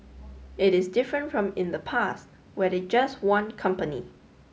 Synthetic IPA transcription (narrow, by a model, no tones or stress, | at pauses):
ɪɾɪsdɪfɹə̃ntfɹɔ̃mɪ̃ndəpʰast | wɛdɛd͡ʒaswãnkʰʌ̃mpəni